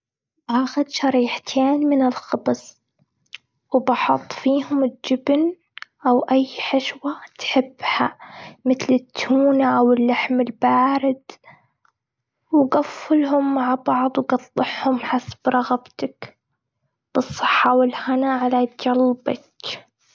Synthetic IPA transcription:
baːxɪd̪ʃɑɾiːħt̪ʰeːnmɪnɪlxɑbs | wbɑħʊt̪ˤːfiːɦʊmɪld͡ʒɪbn | ʔawʔajːħɪʃwat̪ħɪbːhamɪt̪lɪt̪ʰːuːnaʔawɪlːaħmɪlbaːɾɪd̪ | wɡafːɪlɦʊmːaʕbɑʕd̪ˤwɡɑt̪ˤːɨħhʊmħasb̥ɾˤɑɣbt̪ak | b̥ɨsˤːɨħːɑwɪlhanaʕalad͡ʒɑlbɑk

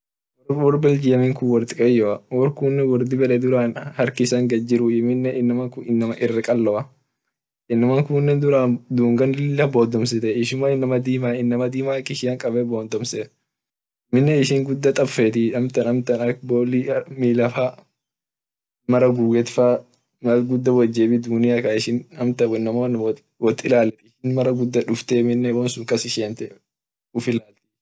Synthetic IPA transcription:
wɔɾbɛld͡ʒɪjɐmɪŋkʊwɔɾt̪ɪkʼɐjːɔɐwɔɾkuːnːɛwɔɾd̪ɪbɛᶑɛd̪ʊɾaːnhɐɾkɪsɐŋɡɐd͡ʒɪɾʊɪmɪnːɛʔɪnːɐmɐkʊɪnːɐmɐʔɪrːɪkʼɐlːɔɐ | ʔɪnːɪmɐŋkuːnːɛnd̪ʊɾaːnd̪uːŋɡɐnlɪlːɐboːd̪ɔmsɪt̪ɛɪʃʊmaɪnːɐmɐd̪iːmaːɪnːɐmɐd̪iːmaːkːɪʃɪjɐŋkʼɐbɛboːnd̪ɔmsɛ | mɪnːɛɪʃɪŋɡʊd̪ːɐt̪ʼɐbfɛt̪ɪɐmt̪ɐnɐmt̪ɐnɐk̚boːlimiːlɐfa | mɐɾɐɡuːɡɛt̪fa | mɐɡʊd̪ːɐwɐd͡ʒːeːbɪd̪uːnɪɐkaɪʃɪnɐmt̪ɐwnːɐmoːn | wɔt̪ːɪlaːlːɛt̪ɪʃɪnmɐɾɐɡʊd̪ːɐᶑʊft̪ɛmɪnːɛwɔnsʊŋkɐsɪʃent̪ɛ | ʊfɪlaːt̪ɛ̥

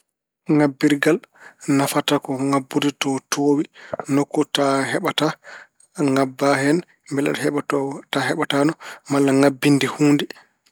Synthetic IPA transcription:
ŋabːiɾɡalnafatakɔŋabːuditɔtʰoːwinɔkːɔtaɦɛɓata | ŋabːaɦɛn | mbɛla̰dhɛɓaɔtaɦɛɓatanɔmalːaŋabːindihuːndi

